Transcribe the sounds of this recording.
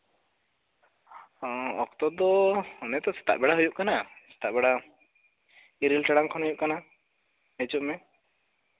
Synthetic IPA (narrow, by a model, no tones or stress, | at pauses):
ɔkt̪ɔd̪ɔɔnɛt̪ɔsɛ̥t̪a̰ʔbɛɽaɦujuʔkanasɛ̥t̪aʔbɛɽa | iɾilʈɛɽaŋkʰɔnɦujuʔkana | et͡ʃuʔmɛ